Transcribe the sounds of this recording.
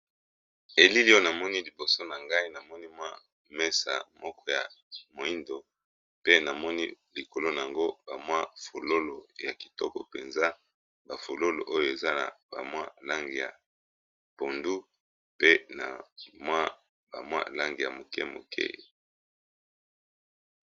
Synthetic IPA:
e˨li˦li˦o˦na˨mɔ˦ni˦li˨bo˨so˦na˨ŋɡa˦i˦na˨mɔ˦ni˦mwa˦ | mɛ˦sa̰˨mɔ˦kɔ˦ja̰˨ | mo˨i˦ndo˨ | pe˦na˨mɔ˦ni˦li˨ko˨lo˦na˨a˨ŋɡo˦ba˨mwa˦fo˨lo˦lo˨ja˨ki̥˨tɔ˦kɔ̰˨pe˨nza˦ | ba˨fo˨lo˦lo̰˨ʔo˦jo˨e˨za˦na̰˨ba̰˨mwa˦la˦ŋɡi˨ja̰˨ | po˨ndu˦ | pe˦na̰˨mwa˦ | ba̰˨mwa̰˦la˦ŋɡi˨ja̰˨mo˨kɛ̰˦mo̰˨kʰḛ˦

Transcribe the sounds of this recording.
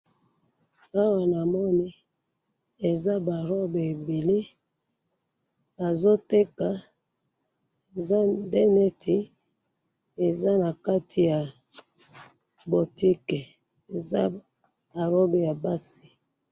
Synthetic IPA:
a˦wa˨na˨mɔ˦ni˦ | e˨za˦ba˨ɾo˦be˨e˨bi˨li˦ | ba˨zo˦te˦ka˨ | e˨za˦nde˦ne˦tʰi˨ | e˨za˦na˨ka˦ti˨ja˨ | bo˨ti˦ke˨ | e˨za˦ | ba˨ɾo˦be˨ja˨ba˦si˨

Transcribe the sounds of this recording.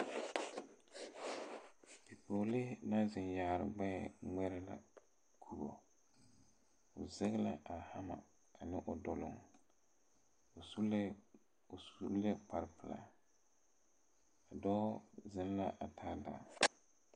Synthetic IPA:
bi˨po˨lɪ˦na˦zɪ˨njaː˨ɾɪ̰˨ɡ͡bɛ˦˨ŋɛ˦ɾɛ˦la̰˨ | kʰu˨bo̰˨ | ʊ˨zɛ˦ɣla̰˦a˨ha˦ma̰˨ | a˨nɪ˦ʔʊ˨dɔ˨lʊ̰˨ŋ˨ | su˦l | u˦le˦pa˨ɾɪ˨pɪ˨la̰˨ | a˨dɔ˦zɪ˦n˦la˦ʔa˨tʰa˦da̰ː˨

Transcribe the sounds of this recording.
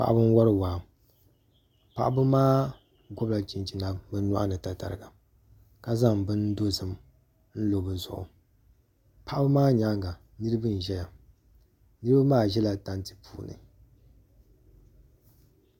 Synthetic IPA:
pa̰˨ʔbɨ˦n˦wɔ˦ɾɨ˦waː˨ | pa̰˨ʔa˦bɨ˦maː˦ | ɡɔ˦bla˨t͡ʃi˨nd͡ʒi˨na˨bɨ˦na̰˦ʔa˦nɨ˨ta˨ta̰˨ɾɨ˨ɡa˨ | ka˨za˦˨ŋbɨ˦n˦do˦zɨ˨m | n̩˦lo˨bɨ˨zʊ̰˨ʔʊ̰˨ | pa˨ʔbɨ˦maː˦ɲa˦ŋɡa˨ | nɨ˦ɾɨ˦bɨ˦n˨ʒɛ˦ja˨ | nɨ˦ɾɨ˦ba˦maː˦˨ʒɛ˦la˨ta˦ntɨ̥˨puː˦nɨ̰˨

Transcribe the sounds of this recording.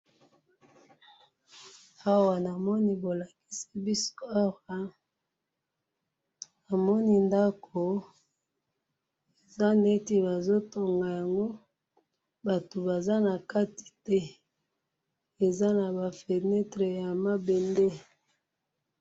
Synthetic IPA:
a˦wa˨na˨mɔ˦ni˦bo˨la˨ki̥˦si˦bi˦so˦a˦wa˨ | na˨mɔ˦ni˦nda˦kʰo˨ | e˨za˦ne˦ti˦ba˨zo˦to˨ŋɡa˨ja˨ŋɡo˦ | ba˨to˨ba˨za˦na˨ka˦ti̥˨tɛ˦ | e˨za˦na˨ba˨fe˨nɛ˦tʁe˨ja˨ma˦be˨nde˦

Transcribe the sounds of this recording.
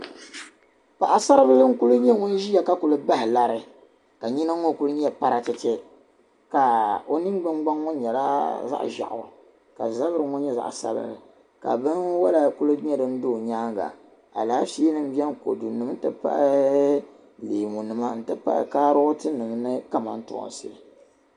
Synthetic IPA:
pa˨ʔa˨sa˦ɾɨ˦bɨ˦lɨ˦ŋ̩˦ku˦lɨ˦ɲɛ˦ŋo˦n˦ʒi˦a˨ka˦ku˨lɨ˦ba˦hɪ˨la˦ɾɨ˦ | ka˨ɲi˦na˦ŋːo˦ku˦lɨ˦ɲɛ˦pa˦ɾa˨t͡ʃɛ˦t͡ʃɛ˦ | ka˨o˦ni˦ŋɡ͡ba˦ŋɡ͡ba˦ŋːo˦ɲɛ˨la˦za̰˦ʔʒa̰˨ʔʊ̰˨ɾ | ka̰˨za˦bɨ˦ɾɨ˨˦ŋɔ˦ɲɛ˦za̰˦ʔsa̰˦lɨ̰˦bɨ˨ | ka̰˨bɨ˦nwa˦la˨ku˦lɨ˦ɲɛ˦dɨ˦n̩˦do˦˨ɲaː˦ŋɡa̰˨ | a˨laː˨˦fi˦nɨ˦m̩˦bɛ˦nko̰˨du˨nɨ˨m˦tɨ˦pa̰˦ʔ | leː˨mu˨nɨ˨ma˦n̩˦tɨ˦pa̰˦ʔkaː˦ɾʊ˦ʊ˦tɨ˦nɨ˨m˦nɨ˦ka˦ma̰˨n̩˦tʊ̰˨sɨ̰˦ɾɨ˨

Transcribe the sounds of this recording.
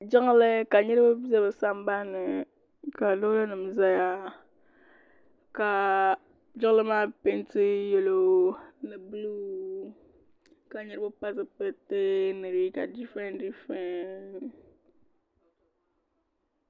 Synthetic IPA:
d͡ʒɪ˦ŋ˦lɨ˦ka˨ɲɛ˦ɾɨ˦ba˦bi˦zɛ˦bɨ˨sa˦mba˦nɨ˨ | ka˨do˦la˦nɨ˨m˨za˦ja˦ | ka˨ | d͡ʒɪ˦lɨ˦maː˦pɪ˦nti˦jɛ˨lo˨nɨ˨blu˦ | ka˨ɲɛ˦ɾɨ˦ba˦pa˦sɨ˦pɛ˦te˦nɨ˨ɾi˦ka˨di˦fɛ˦ndi˦fɛ˦n

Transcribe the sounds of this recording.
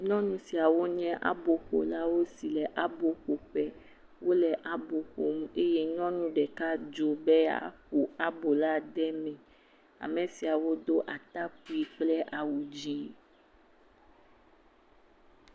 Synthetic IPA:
ɲɔ̃˦nũ˦si˨a˨wo˦ɲɛ̃˦ʔa̰˦bo˨xo̰˨la˦wo˦si˨lɛ˨ʔa˦bo˨xo˨ɸɛ˦ | wo˦lɛ˨ʔa˨bo˨xo˨m̩˦e˦je˦ɲɔ̃˦nũ˦ɖɛ˨ka˦d͡ʒo˨bɛ˦a̰˦˨ɸu˨a˦bo˨la˦ɖɛ˦mɛ̃˨ | a̰˨mẽ˨si˨a˨wo˦d̪o˦ʔa˨t̪a˦ku˦i˦k͡plɛ˦ʔa˨wu˨d͡ʑi˦

